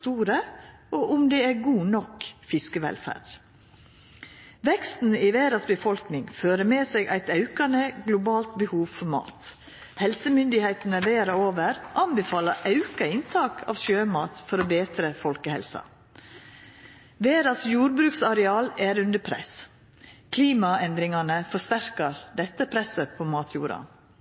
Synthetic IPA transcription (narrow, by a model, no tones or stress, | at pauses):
t̪uːɾə | ʔoːʔʊmd̪ɛæɾɡuːnɔkfɪskəʋɛ̰lfæ̰ːɖ̥ | ʋɛkst̪n̩iʋeːɾɑsbəfɔlknɪŋføːɾəmeːseɡʔæ̰ɪt̪ɑʉkɑnəɡlʊbɑːlt̪̚bəhuːʋfɔɾmɑ̰ːt̪ | hɛlsəmʏnd̪ɪheɪt̪ən̩əʋeːɾɑoːʋəɾʔɑnbɛfɑːlɑʔɑʉkɑɪnt̪ʰɑːkʰɑ̰ːʋʃøːmɑːt̪fɔɾoːbeːt̪ɾəfɔlkəhɛ̰lsɑ̰ | ʋeːɾɑsjuːɾbɾʉːksɑɾɛɑːlæːɾʉnd̪əpʰɾɛ̰s | kʰliːmɑɛnd̪ɾɪŋɑnəfɔʂt̪æɾkɑɾd̪ɛt̪ːəpʰɾɛsəpʰoːmɑːt̪ʰjṵːɾɑ̰